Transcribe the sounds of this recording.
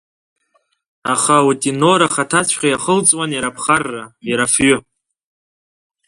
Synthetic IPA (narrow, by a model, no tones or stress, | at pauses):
aχautʼinoɾaχatʰat͡ɕʷʰqʲʼajaχəlt͡sʼwanjaɾapʰχarːajaɾafɥʏ